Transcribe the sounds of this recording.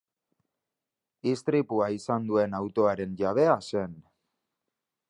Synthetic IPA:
ist̪ɾipuaisand̪ue̞nawt̪o̞aɾe̞nʝaβ̞e̞ase̞n

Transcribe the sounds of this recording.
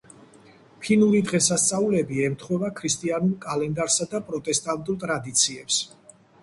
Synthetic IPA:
pʰinuɾid̪ʁɛsast̪sʼaulɛbiɛmt̪ʰχwɛvakʰɾist̪ʼianulˠkʼalɛnd̪aɾsad̪apʼɾɔt̪ʼɛst̪ʼant̪ʼulˠt̪ʼɾad̪it̪sʰiɛps

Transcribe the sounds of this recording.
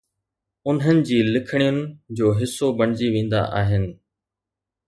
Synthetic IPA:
ʊnɦənɪ̆d͡ʑiːlɪkʰəɽ̃ijʊnɪ̆d͡ʑoːɦɪsːobɐɳ̤̃ɪd͡ʑiʋẽːn̆d̪a̰ʔaːɦɪnɪ̆

